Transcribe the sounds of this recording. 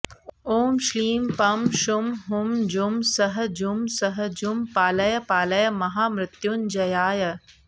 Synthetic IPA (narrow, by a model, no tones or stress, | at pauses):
oːmʃliːmpɐmʃʊmɦʊmd͡ʒumsɐɦɐ̆d͡ʒumsɐɦɐd͡ʒumpaːlɐjɐpaːlɐjɐmɐɦaːmɾɪt̪jund͡ʒɐjaːjɐ